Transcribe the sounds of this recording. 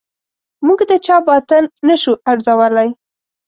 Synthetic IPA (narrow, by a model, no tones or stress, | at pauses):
muɡd̪ət͡ʃɑbɑt̪ənːəʃuʔaɽzawəlaj